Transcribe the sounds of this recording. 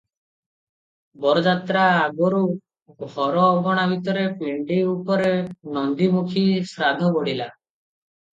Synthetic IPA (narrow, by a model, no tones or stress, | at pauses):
bɔɾɔd͡ʒat̪ɾaːɡɔɾu | ɡʱɔɾɔːbʱɔɽ̃abʱit̪ɔɾepiɳɖiupɔɾenɔnd̪imukʰisɾad̪ʱɔbɔɽila